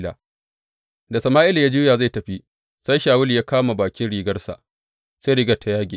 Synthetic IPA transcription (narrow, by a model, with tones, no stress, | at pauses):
la̰ː˨ | da˨sɐ˨maː˦ʔɪ˦la˨jaː˦d͡ʒuː˦jaː˨za˦˨jtɐ˨ɸi˦ | sa˦jʃaː˨wʊ˦ljaː˦kaː˦ma˨baː˨kʲɪ˦nɽiː˨ɡɐ˦rsa̰˨ | sa˦ɾɪː˦ɡɐ˨tʰa˨jaː˦ɡʲḛ˨